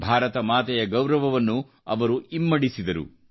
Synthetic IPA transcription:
bʱaːɾɐt̪ɐmaːt̪ɛjɐɡɐwɾɐʋɐʋɐnːu | ɐ̰ʋɐɾuimːɐɽisid̪ɐɾṵ

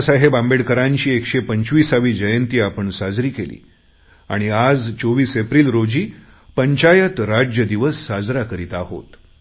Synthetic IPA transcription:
saɦebãmbeɽkəɾãɲt͡ɕiːekʂepəɲt͡ɕʋiːsaʋiːd͡ʑəjənt̪iːapəɳsad͡zɾiːkelḭː | a̰ɽ̃iad͡zt͡soʋiːsepɾiːlɾod͡ʑiː | pəɲt͡ɕajət̪ɾad͡ʑjəd̪iʋəsːad͡zɾakəɾiːt̪aɦo̰t̪

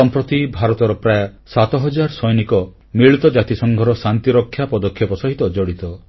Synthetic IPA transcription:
ɔmpɾɔt̪ibʱaɾɔt̪ɔɾɔpɾajɔsat̪ɔɦɔd͡ʒaɾsɔjnikɔ | miɭt̪ɔd͡ʒat̪isɔŋɡʱɔɾɔsant̪iɾɔkʰːjapɔd̪ɔkʰːjɔpɔsɔɦit̪ɔd͡ʒɔɽit̪ɔ

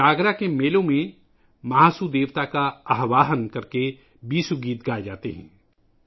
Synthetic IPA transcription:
aːɡɾakemeːlõmẽ | mɐɦaːsud̪eːʋt̪akaɐɦʋaːɦənkɐɾke | biːsuɡiːt̪ɡaːed͡ʒaːt̪eɦɛ̰̃ː

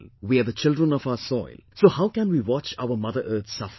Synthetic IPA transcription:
wiːaðət͡ʃɪldɹə̃nɔfaəsɔɪlsoːhaʊkæ̃nwiːwɑt͡ʃaʊəmʌðəʔəːt̪sʌf

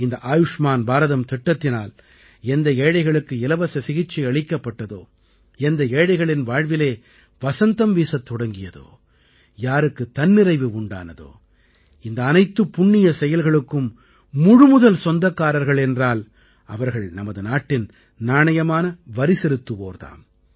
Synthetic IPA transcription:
ɪnd̪ɐʔaːjʊʂmaːnbaːɾɐðɐmt̪ɛʈːɐt̪ːɪnaːl | ɛnd̪ɐeːɻɐɪɣɐɭɯkːɯɪlɐʋɐsɐsɪɣɪt͡ʃːiɐɭɪkːɐpːɐʈːɐðo̰ː | ɛnd̪ɐeːɽɐɪɣɐɭɪnʋaːɻʋɪleː | ʋɐsɐnt̪ɐmʋiːsɐt̪ːɔɽɐŋɡɪjɐðo̰ː | jaːɾɯkːɯt̪ːɐnːɪɾɐɪʋɯʊɳɖa̰ːnɐðo̰ː | ɪnd̪ɐːnɐɪt̪ːɯpːʊɳːɪjɐsɛjɐlɣɐɭɯkːɯmː | ʊɻɯmʊðɐlsɔnd̪ɐkːaːɾɐɾɣɐɭɛndraːl | ɐ̰ʋɐɾɣɐɭnɐmɐðɯnaːʈːɪn | naːɳɐjɐmaːnɐʋɐɾɪsɛɾɯt̪ːɯʋo̰ːɾt̪a̰ːm

